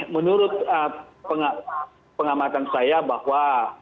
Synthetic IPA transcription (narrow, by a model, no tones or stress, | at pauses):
mənuɾʊt̪̚əpəŋa | pəŋamat̪ansajabahwa